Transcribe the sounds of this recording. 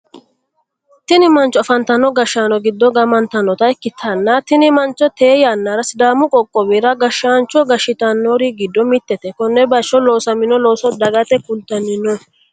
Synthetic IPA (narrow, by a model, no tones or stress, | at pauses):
t̪ɪnɪmɐnt͡ʃːɔɐfɐnt̪ɐnːɔɡɐʃːaːnɔɡɪd̪ːɔɡɐmɐnt̪ɐnːɔt̪ɐɛkːɪt̪ʰːɐnːɐt̪ɪnɪmɐnt͡ʃːɔt̪e̞ːjaːnːaɾɐsɪd̪aːmʊkʼɔkʼːɔbiɾɐɡɐʃaːnt͡ʃːɔɡɐʃɪt̪ɐnːoɾɪɡɪd̪ːɔmɪt̪ːɛt̪ɛkɔnːɛbɐʃːɔlo̞ːsɐmɪnɔloːsɔd̪ɐɡɐt̪ɛkʊnt̪ːɐnːɪnɔ